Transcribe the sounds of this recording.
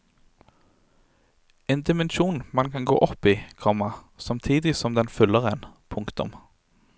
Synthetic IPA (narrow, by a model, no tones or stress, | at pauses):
eːnd̪ɪmɛnʃuːnmɑnkʰɑnɡo̰ːʔɔpiːkʰʁɑːmɑ | sɑmt̪ʰiːd̪ɪsɔmd̪ɛnfʉlːəʁənpʰʊŋkt̪ʊ̰m